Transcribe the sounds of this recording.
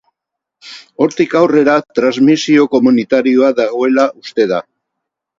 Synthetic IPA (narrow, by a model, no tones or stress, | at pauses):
o̞ɾt̪ikawre̞ɾat̪ɾazmisio̞ko̞munit̪aɾio̞aðaɣo̞e̞laʔust̪e̞ða